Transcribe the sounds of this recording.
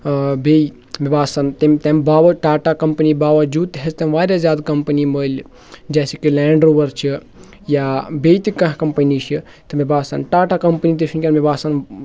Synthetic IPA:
bej | mʲibaːsɐnt̪emt̪embaːʋɐʈaːʈakɐmpənibaːʋɐd͡ʒuːt̪ɦest̪emʋaːɾʲjazʲjaːd̪kɐmpəniməːlʲ | d͡ʒɛːsekilɛːɳɖɾoːʋɐɾt͡ʃʰi | jabejt̪ikɐɦkɐmpənit͡ʃʰi | t̪ɐmibaːsɐnʈaːʈakɐmpənit̪isʰnkʲanmibaːsan

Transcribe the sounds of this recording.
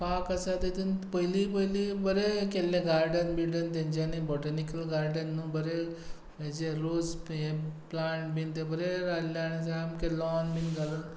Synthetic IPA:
pakasat̪et̪inpəɦilipəɦilibəɾekelːẽɡaɾɖənbiɽənt̪̬ãɲd͡ʑanibɔʈənikəlɡaɾɖənːũːbəɾe | mẽd͡ʑeɾoseplaɳʈbint̪ebəɾeɾalːaɽ̃isaamkelɔnbinɡalən

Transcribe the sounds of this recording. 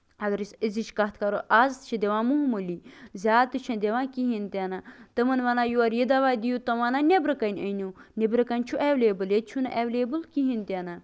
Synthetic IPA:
ɐɡɐɾisiziʃkɐt̪ʰkɐɾoʔazt̪ɨ̥t͡ʃʰɐ̃d̪ʲeʋãːmuɦmɨlizʲaːt̪ɨt͡ʃʰɐ̃nd̪ʲeʋãːkiɦint̪ʲenat̪ɨmɐnʋɐnaːjuɐɾjid̪ɐʋaːd̪ijut̪ɐʋɐnanʲebɾɨkɐnʲənʲunʲebɾɨkɐnʲt͡ʃʰuʔeʋleːbɨljet͡ʃʰunɐʔeʋleːbɨlkiɦint̪ʲena

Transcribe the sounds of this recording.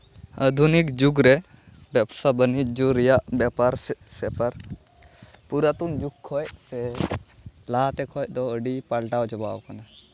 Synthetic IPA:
əd̪ʱunikd͡ʒuɡɾɛ | bɛbsabənit̚d͡ʒuɾijaʔbjapaɾssɛpəɾ | puɾat̪und͡ʒuk̚kʰːɔjsɛ | laːt̪ɛkʰɔjt̪ɔəɖipalʈawd͡ʒɔbawkana

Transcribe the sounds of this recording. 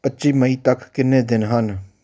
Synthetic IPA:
pətːʃiːməiːt̪əkkɪnːẽːd̪ɪnɦən

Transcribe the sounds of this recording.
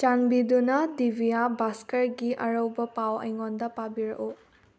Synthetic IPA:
t͡ʃanbidunadibijabaskəɹɡiʔɐɹɔwbɔpawa̰jŋɔndapabiɾɔ̰ʔu

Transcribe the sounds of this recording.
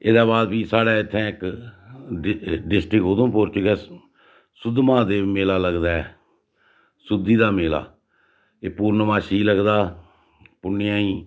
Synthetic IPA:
eːd̪aːbaːd̪ʋiːsaːɽaːɪt̪ʰːɛ̃ːɪk | ɖɪsʈɾɪkɦoːd̪õːpoːɾt͡ʃɡɛː | sʊd̪mãːd̪eːmeːlaːləɡd̪aːɛː | sʊd̪iːd̪aːmeːla̰ː | eːpuːɾnəmãːʃiːləɡd̪aː | pʊɳːɪjãːiː

